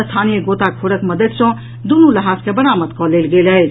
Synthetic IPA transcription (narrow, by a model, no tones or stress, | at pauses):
st̪ʰanijəɡot̪akʰoɽəkməd̪əd̪sʌ̃ | d̪unuləɦaskebəɾamət̪kʌlelɡeləj